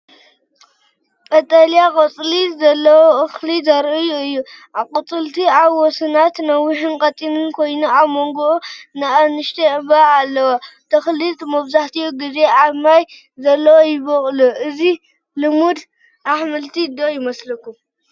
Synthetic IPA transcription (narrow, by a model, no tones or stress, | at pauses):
kʼɐt̪ʼalijakʼɨt͡sʼlizɐlːɐwoʔɨxlizɐɾɨjuɨjːuʔakʼɨt͡sʼɨlt̪ʰiaβːɔsɨnat̪nɐwːɪħɨnkʼɐt̪ʼinɨnkʰo̞jnuaβmoŋɡuʔunɐʔɐnɨʃt̪ʰeɨbɐalːɐwat̪ʰɐxlit̪ʼmɐβzaħt̪ʰijuɡize̞aβmaj | zɐlːɐwojɪβɐχʼluʔɨzi | lɨmud̪ | ʔaħmɨlt̪ʰid̪ojɪmɐslɐkːu